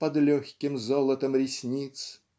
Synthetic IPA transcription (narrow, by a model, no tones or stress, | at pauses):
pɐd̪lʲɔxʲkʲɪmzolˠət̪əmɾʲɪsʲnʲit̪s